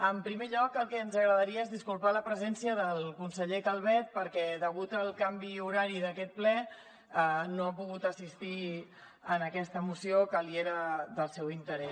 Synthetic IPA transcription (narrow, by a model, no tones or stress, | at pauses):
əmpɾimeʎɔkəlˠkɛənzəɣɾəðəɾiəezðiskulˠpaləpɾəzɛnsiəðəlˠkunsəʎek̪alˠβɛt̪̚pəɾkɛðəɣ̞ut̪əlˠkambiuɾaɾiðəkɛt̪̚plɛ | noapuɣut̪əsist̪i | ənəkɛst̪əmusiokəlieɾəðəlˠsɛwint̪əɾɛs